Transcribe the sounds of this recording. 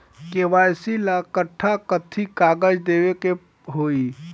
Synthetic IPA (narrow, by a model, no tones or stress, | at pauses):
keʋajsilakəʈʰːakət̪ʰikaɡəd͡ʒd̪eweke | ɦoi